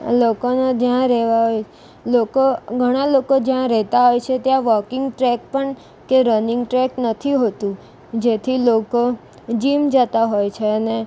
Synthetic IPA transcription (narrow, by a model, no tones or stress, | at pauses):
lokonod͡ʒjãɾɛɦʋaɦoj | lokoɡʱəɽ̃alokod͡ʒjãɾɛɦt̪aɦojt͡ʃʰet̪jãʋɔkɪ̃ŋɡʈɾɛk̚pəɳ | keɾənɪŋɡʈɾɛknət̪ʰiɦot̪ũ | d͡ʒet̪ʰiloko | d͡ʒimd͡ʒət̪aɦojt͡ʃʰeəne